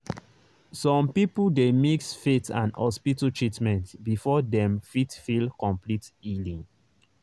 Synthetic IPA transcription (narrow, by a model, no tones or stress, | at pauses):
sɔ̃mpipudemiksfetã̰nhɔspitotʰɹitmɛ̃ntbifɔdɛ̃mfitfilkɔ̃mplitilĩŋ